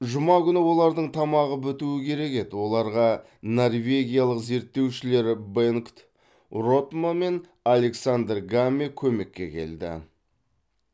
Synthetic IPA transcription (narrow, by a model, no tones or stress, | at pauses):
ʒʊmɑkʲʏnɪwo̞lˠɑɾd̪əɴt̪ʰɑmɑʁəbʏt̪uɪkʲʰe̞ɾe̞ke̞d̪ɪwo̞lˠɑɾʁɑ | no̞rve̞ɡʲijalˠəqze̞ɾt̪ːe̞wʃɪle̞ɾbeŋkt̪ | ro̞t̪mame̞n | alʲe̞ksand̪rɡamːekʲʰɵme̞kʲːe̞̰kʲʰe̞̰ld̪ɪ̰